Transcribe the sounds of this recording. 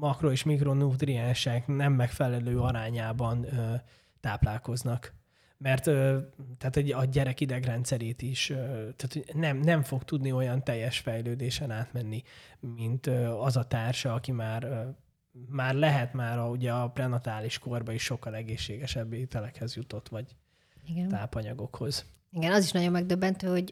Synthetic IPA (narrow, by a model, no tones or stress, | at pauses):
mɒkroeːʃmikro̞nud̪riɛnʃɛknɛmːɛkfɛlɛløːɒɾaːɲaːbɒnø | t̪aːplaːlko̞znɒk | mɛrt̪øːt̪aːt̪hɛɟɒɟɛɾɛkid̪ɛɡrɛnt̪sɛɾeːt̪iʃøt̪aːt̪ʰonɛmnɛɱfo̞kt̪ud̪nio̞jɒnt̪ɛjːɛʃfɛjløːd̪eːʃɛnaːt̪mɛnːi | mint̪øɒzɒt̪aːrʃɒɒkimaːrø | maːrlɛɦɛt̪maːɾɒuɟɛɒprɛnɒt̪aːliʃko̞rbɒiʃːo̞kːɒlɛɡeːʃːeːɡɛʃɛbːeit̪ɛlɛkhɛzjut̪o̞t̪ʋɒɟ | iɡt̪aːpɒɲɒɡo̞kho̞z̥ | iɡɛnɒziʃnɒɟo̞mːɛɡ̚d̪øbːɛnt̪øːho̞ɟ